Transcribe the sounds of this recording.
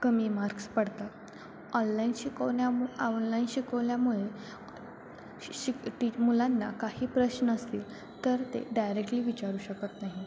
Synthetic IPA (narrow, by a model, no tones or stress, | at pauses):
kəmiːmaɾkspəɽt̪a | ɔnlainɕikəjanlainɕikəʋljamuɭe | iʈimulanːakahiːpɾəɕnəəst̪iːl | t̪əɾt̪ḛɖajɾek̚ʈliːʋit͡ɕaɾuːɕəkət̪naɦi